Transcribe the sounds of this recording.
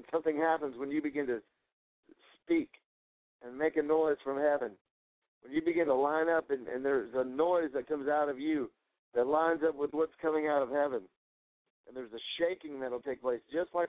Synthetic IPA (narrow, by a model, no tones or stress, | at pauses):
nsʌ̃mθɪ̃ŋhæpə̃nzwə̃njɨbɨɡɪ̃ntɨ | spik | ʔɨ̃nmeɪkɨnɔɪz̥fɹʌ̃mhɛvɨ̃n | wə̃njɨbɨɡɪ̃ntəlãɪ̃nʌpɨ̃nɨ̰̃nðə˞zənɔɪzðɨt̚kʰʌ̃mzaʊɾʌvjɨ | ðɨtˡlãɪ̃nzʌpwəðwʌtskʰʌ̃mɪ̃ŋaʊɾʌv̥hɛvɨ̃n | ʔɨ̃nðə˞zɨʃeɪkɪ̃ŋðɨt̚l̩ˠtʰeɪk̚pʰl̥eɪsd̥ʒ̥ʌstˡlaɪ